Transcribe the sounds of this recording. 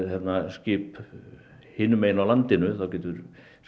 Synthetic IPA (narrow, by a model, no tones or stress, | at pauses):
θɛnascɪːp | hɪːnːʏmeːjnawlant̪ɪnʏθawcɛːt̪ʏɾ